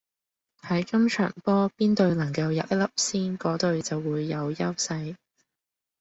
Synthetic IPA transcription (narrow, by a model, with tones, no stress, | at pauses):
hɐ˨˥jkɐ˥mt͡ʃʰœ̰ː˨˩ŋpɔː˥piː˥nt̪ɵ˧ɥnɐ˨˩ŋkɐ˧wjɐ̰˨p̚jɐ˥lɐ˥p̚siː˥nkɔː˨˥t̪ɵ˧ɥt͡sɐ˨wːuː˨˧jːɐ˨˧wjɐ˥wsɐ˧j